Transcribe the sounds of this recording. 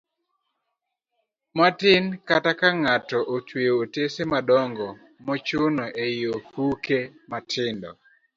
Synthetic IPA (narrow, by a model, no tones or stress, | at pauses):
matɪnkatakaŋatɔʔot͡ʃweotesemadɔŋɡɔ | mɔt͡ʃʊnoʔeiohukematʰɪndɔ̰